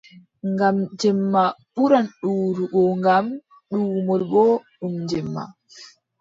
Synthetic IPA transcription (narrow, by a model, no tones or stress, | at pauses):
ŋɡamd͡ʒɛmːaɓuɾanɗuːɾuʔɔŋɡam | ɗuːmɔlbɔɗumd͡ʒɛmːa̰